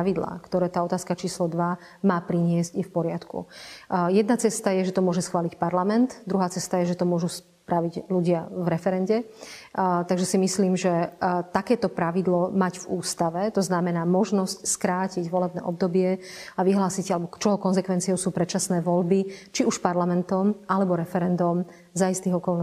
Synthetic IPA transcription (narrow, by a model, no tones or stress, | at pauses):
ʋid̪la̰ːkt̪ɔɾɛːt̪aːɔt̪aːskat͡ʃiːslɔd̪ʋa | maːpɾiɲɪɛzcifpɔɾɪat̪kṵjɛd̪nat͡sɛst̪ajɛʒɛt̪ɔmʊɔʒɛsxʋaːlicpaɾlamɛnt̪d̪ɾuɦaːt͡sɛst̪ajɛʒɛt̪ɔmʊɔʒus | pɾaʋiɟluɟɪavɾɛfɛɾɛnɟɛ | t̪aɡʒɛsimisliːmʒɛt̪akɛːt̪ɔpɾaʋid̪lɔmaɟvuːst̪aʋɛt̪ɔznamɛnaːmɔʒnɔscskɾaːciɟʋɔlɛbnɛ̰ːʔɔb̚d̪ɔbɪɛaʋiɦlaːsiɟalɛbɔkt͡ʃɔɦɔkɔnzɛkʋɛnt͡siɪɔʊsuːpɾɛtt͡ʃasnɛːʋɔʎbit͡ʃiuʃpaɾlamɛnt̪ɔmʔalɛbɔɾɛfɛɾɛnd̪ɔm | zaist̪iɣɔkɔln